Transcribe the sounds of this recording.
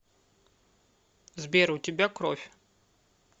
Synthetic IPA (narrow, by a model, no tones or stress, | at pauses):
zbʲeɾutʲɪbʲakɾofʲ